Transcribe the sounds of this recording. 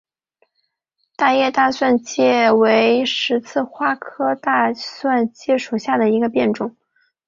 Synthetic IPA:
t̪a˥˧jɛ˥˧t̪a˥˧swa˥˧nt͡ɕjɛ˥˩we˧˥ɪʂɻ̩˧˥t͡sʰɹ̩˥˩xwa˥kʰɤ˥t̪a˥˧swa˥˧nt͡ɕjɛ˥˩ʂu˨˩ɕja˥˩d̪ə˩i˧˥ɡə˧pjɛ˥˩nʈ͡ʂʊ˨˩˦ŋ

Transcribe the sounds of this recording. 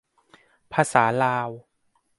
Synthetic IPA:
pʰaː˧saː˩˦laː˧w

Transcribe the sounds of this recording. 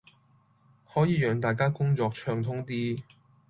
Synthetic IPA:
hɔː˨˥jiː˨˧jœː˨˧ŋt̪aː˨jk̬aː˥kʊ˥ŋt͡ʃɔː˧k̚t͡ʃʰœː˧ŋt̪ʰʊ˥ŋt̪iː˥

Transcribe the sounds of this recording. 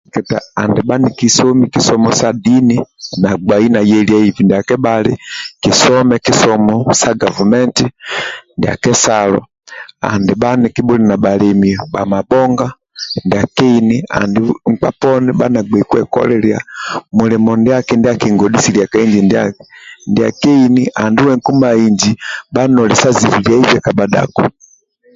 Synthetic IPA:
kɛ˨ta˨a̰˨ndɛ˨ba˦niki˦sɔ˦miki˦sɔmɔsadi˦ni˦na˨ɡ͡ba˨i˦na˨jɛ˦li˦a˦i˨vi˨ndi˨a˨kɛ˦balḭ˦ki˨sɔmɛ˦ki˦sɔmɔsa˦ɡa˨vamɛ˦nti˦ndi˨a̰˨kɛ˦salɔ̰˨ | a̰˨ndɛba˦ni˨ki˦ɓu˦li˨na˨ɓa˨lɛ˨miba˨ma˨bɔ˦ŋɡa˦ | ndi˨a˨kɛ˦inia̰ndiŋ̩k͡pa˦pɔ˦niba˦na˨ɡ͡bɛkwɛ̰˨kɔ̰lɛlia̰mulɛmɔndi˦a˦kindi˦akiŋɡɔdi˦si˨lia˨kaiɲd͡ʒindandi˨a̰˨kɛ˦iniʔa˨ndi˦wɛ˨ŋ̩ku˦maiɲd͡ʒiba˦nɔ˨li˨sa˦zi˨vi˨lja˦i˦vɛ˦kabada̰kɔ

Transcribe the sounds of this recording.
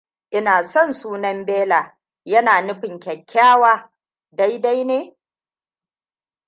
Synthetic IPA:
ʔɪ˦naː˨sɔ˦˨nsuː˦nɐ˦mbeː˦laː˨ | jɐ˦naː˨nʊ˦ɸɪ˨ŋkʲɐ˨kʲʰːaː˦waː˦ | da˦jda˦jneː˦

